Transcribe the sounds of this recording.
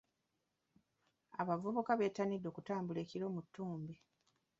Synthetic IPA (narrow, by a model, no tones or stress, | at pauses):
aβavuβukaβe̞ːtanidːo̞ːkutaːmbule̞ːciɾo̞ːmutːuːmbi